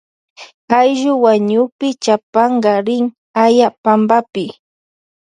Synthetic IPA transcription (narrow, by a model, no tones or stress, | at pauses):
ajʒʊwaɲʊpɪt͡ʃapɑɴɢɑɾɪŋ | ajapambapɪ